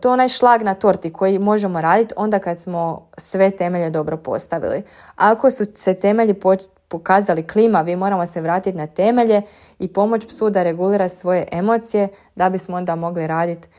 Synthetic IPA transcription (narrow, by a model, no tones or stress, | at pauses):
t̪oonajʃlˠaɡnat̪o̞ɾt̪ikʰo̞jimo̞ʒe̞mo̞ɾaːd̪it̪o̞nd̪akad̪smo̞ | sʋe̞t̪e̞me̞ʎed̪o̞bɾo̞po̞̰st̪aʋḭlḭ | ako̞suse̞t̪e̞me̞ʎipo | pokaːzaliklimaʋimo̞ɾamo̞se̞ʋɾaːt̪it̪nat̪e̞me̞ʎe̞ | ipo̞mo̞t͡ʃpsud̪aɾe̞ɡuliːɾasʋo̞je̞ʔemo̞t̪sije̞ | d̪abismoo̞nd̪amo̞ɡliɾaːd̪it̪